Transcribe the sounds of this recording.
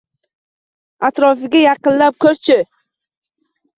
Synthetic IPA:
at̪ɾɒfɪɡʲajɑqɨnlap̚kʲʰɵɾt͡ʃʰɪ

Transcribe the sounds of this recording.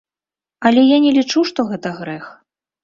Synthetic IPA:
ɐlʲɛjanʲɛlʲit͡ʂuʂt̪ɔɣɛt̪ɐɣɾɛx

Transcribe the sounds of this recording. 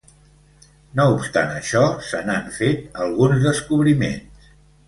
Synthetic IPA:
noupst̪a̰nəʃɔsənaɱfet̪əlˠɣunzðəskuβ̞ɾimḛns

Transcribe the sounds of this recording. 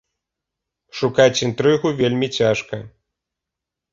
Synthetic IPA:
ʂukat͡sʲint̪ɾɨɣuvʲelʲmʲit͡sʲaʂkɐ

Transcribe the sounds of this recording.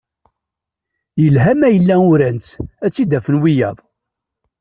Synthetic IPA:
jəlɦæmæjəlːæʊɾænt͡sæt͡sːid̪æfənwijɑðˤ

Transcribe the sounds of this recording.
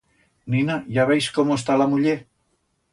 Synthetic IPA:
ninaʝaβ̞ejskomoes̬t̪alamuʎe

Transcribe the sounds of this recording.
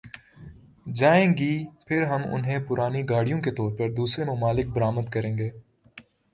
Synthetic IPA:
d͡ʒaːẽːɡiːpʰɪɾɦɐmʊ̰nɦẽpʊɾaːniɡaːɽijõket̪ɔːɾpɐɾd̪uːsɾemʊmaːlɪk̚bɐɾaːməd̪kɐɾẽːŋɡeː

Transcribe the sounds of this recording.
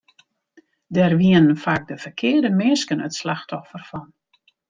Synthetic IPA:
dɛrʋiənənfaːk̚dəfərkʰɪərdəmɪskənətslaxtɔfərfɔn

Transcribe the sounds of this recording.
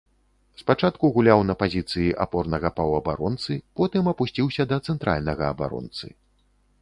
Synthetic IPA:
spat͡ʂat̪kuɣulʲawnɐpazʲit̪sɨjiʔa̰pɔrnɐɣɐpɐwɐba̰ɾɔnt̪sɨpɔt̪ɨmɐpusʲt͡sʲiwsʲɐd̪ɐt̪sɛnt̪ɾa̰lʲnɐɣɐɐba̰ɾɔ̰nt̪sɨ̰

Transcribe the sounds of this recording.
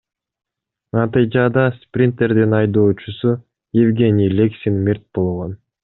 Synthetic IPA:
nɑt̪ɨjd͡ʒɑd̪ɑsprʲɪnt̪e̞ɾd̪inɑjd̪oːt͡ʃusu | jevɡʲe̞nʲilʲeksʲinmʲirt̪̚bo̞lˠʁo̞n

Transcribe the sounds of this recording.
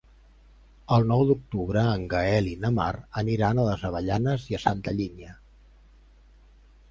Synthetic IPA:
əlˠnɔwd̪uk̚t̪uβɾəːŋɡəɛlinəma̰rəniɾanələzəβəʎanəziəsant̪əʎiɲə

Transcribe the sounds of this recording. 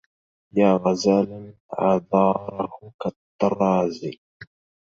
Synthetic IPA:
jaːɣazalɪn | ʕɑ̰ðˤɑːɾˤɑhʊkat̪ːɑɾˤɑːzi

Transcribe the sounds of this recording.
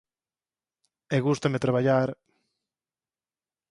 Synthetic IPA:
eɣust̪amet̪ɾaβaʎaɾ

